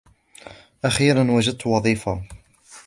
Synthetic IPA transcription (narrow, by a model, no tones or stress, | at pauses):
ʔaxiːɾanwad͡ʒad̪̚t̪wɑðˤiːfa